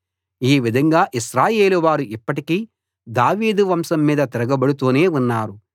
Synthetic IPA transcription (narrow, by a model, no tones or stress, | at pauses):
iːʋid̪ʱɐŋɡaːʔiʃɾaːje̞ːluʋaːɾuʔipːɐʈikiː | d̪aːʋiːd̪uʋɐmsɐmːiːd̪ɐt̪iɾɐɡɐbɐɽut̪oːne̞ːunːaːɾu